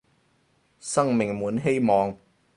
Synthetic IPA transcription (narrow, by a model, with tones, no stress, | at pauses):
sɐ˥ŋmɪ˨ŋmuː˨˥nɦe˥jmɔː˨ŋ